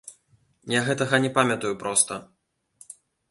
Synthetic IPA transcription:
jaɣɛt̪ɐɣɐnʲɛpamʲɐt̪ujupɾɔst̪ɐ

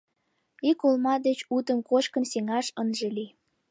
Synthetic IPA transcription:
ikolmɑd̪et͡ɕut̪ə̆mkot͡ɕkənseŋɑʃənʒeli

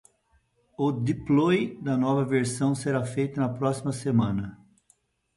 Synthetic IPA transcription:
ʊd̪iplɔjd̪ɐnɔvɐveɾsɐ̃w̃seɾafejt̪ʊnɐpɾɔsimɐsemɐ̃nɐ

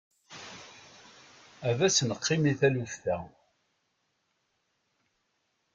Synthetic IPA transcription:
ævæsənəqʰːimiθælufθæ

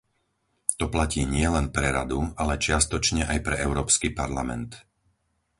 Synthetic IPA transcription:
t̪ɔplaciːɲɪɛlɛnpɾɛɾa̰d̪ualɛt͡ʃɪast̪ɔt͡ʃɲɛʔajpɾɛʔɛʊɾɔːpskipaɾlamɛ̰nt̪

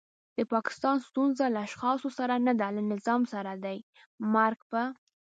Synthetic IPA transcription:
d̪̥əpɑkɪ̥st̪ɑnst̪unzalaːʃxɑsosaɾanad̪alanɪzɑmsaɾad̪aj | maɾɡpə

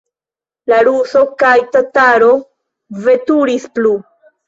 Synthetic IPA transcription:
laɾuso̞kajtataɾo̞ | ve̞tuɾisplu

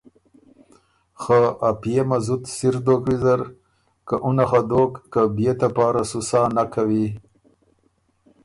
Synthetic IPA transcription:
xəapijemazut̪siɾd̪okwizaɾ | kaʔunaxad̪okːabijet̪apɑːɾasusɑːnakawi

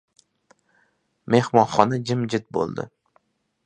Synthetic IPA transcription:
me̞hmɒnχɒnɪd͡ʒɪmd͡ʒɪt̪̚bo̰lˠd̪ɪ̰

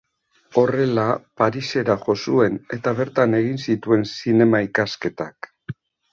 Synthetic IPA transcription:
o̞re̞lapaɾise̞ɾaʝo̞sue̞ne̞t̪aβ̞e̞ɾt̪ane̞ɣ̞insit̪ue̞nsine̞maikaske̞t̪ak

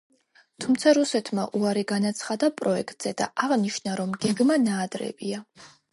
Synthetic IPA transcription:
t̪ʰumt̪sʰaɾusɛt̪ʰmaʔuaɾiɡanat̪sʰχad̪apʼɾɔɛkʰt̪ʼz̥ɛd̪a̰ʔaʁniʃnaɾɔmɡɛɡmanaːd̪ɾɛ̰bia

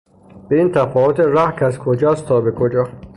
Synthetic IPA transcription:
b̥eiːnt̪ʰæfɒːvot̪ʰeɾæhkʰæzkʰod͡ʒɒːst̪ʰɒːbekʰod͡ʒɒː

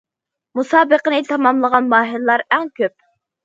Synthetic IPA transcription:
musɑːbəqənɨt̪ʰɑmɑmlˠəʁɑnmɑːɦillˠɑɾæŋkʲøp̚

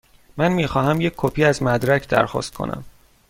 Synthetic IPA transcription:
mænmiːxɒːhæmjecʲʰkʰːopʰiːæzmæd̪ɾæcʰd̪æ̰ɾxɒ̰ːst̪̚kʰo̞̰nʔæ̰m

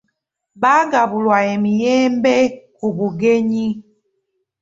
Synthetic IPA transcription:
baɡabulwajɛmijɛmbɛkubuɡeɲi

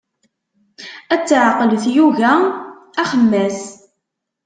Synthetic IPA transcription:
æt͡sːʕaqəlθjuʝææχəmːæs

